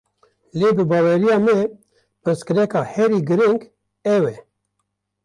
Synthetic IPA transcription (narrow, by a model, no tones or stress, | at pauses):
leːbɨbɑːwɛɾijɑːmɛ | pɨskɨɾɛkɑːhɛɾiːɡɨɾɨŋɡ | ɛwɛ